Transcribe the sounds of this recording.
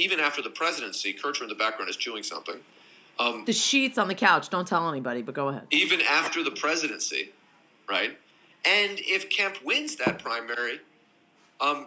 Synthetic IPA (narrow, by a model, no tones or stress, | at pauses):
ivɨ̃ñæftə˞ðəpʰɹ̥ɛzɨɾɨ̃nsikʰɜ˞t͡ʃə˞ɨ̃ŋðəbæk̚ɡɹãʊ̃ndɨz̥t͡ʃʰʉɪ̃ŋsʌ̰̃mθɪ̰̃ŋ | ʌmðɨʃitsn̩ðɨkʰaʊt͡ʃd̥õʊ̃ntʰɛlˠɛnibɑɾibʌt̚ɡ̥oʊəɦɛ̰d̥̚ivɨ̃næftə˞ðɨpʰɹ̥ɛzɨɾɨ̃nsḭ | ɹaɪt̚ | ɨ̃nɪfkʰæ̃mpʰwɪ̃nzðɨt̚pʰɹ̥ãɪ̃mɛɹi | ʌm